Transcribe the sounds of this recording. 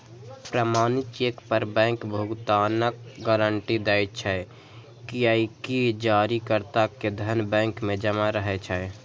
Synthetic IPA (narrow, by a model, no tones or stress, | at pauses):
pɾəmaːnɪt͡ʃekpəɾbɛ̃ːŋkbʱʊɡt̪aːnəkɡaːɾəɳʈid̪ɛːjt͡ʃʰɛ | kiaikid͡ʒaːɾikəɾt̪aked̪ʱənbɛ̃ːŋkmẽd͡ʒəmaɾəɦɛt͡ʃʰɛ